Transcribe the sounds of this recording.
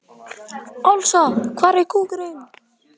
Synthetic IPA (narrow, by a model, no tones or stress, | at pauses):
ɔwlsɔkʰvaːɾɛkuːkɾɪn